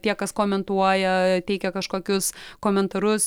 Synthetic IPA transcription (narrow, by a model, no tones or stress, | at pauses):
t̪ʲiɛkɐskoːmʲɛnt̪uɔjɛt̪ʲɛɪkʲɛkɐʃkoːkʲʊskoːmʲɛnt̪ɐɾʊs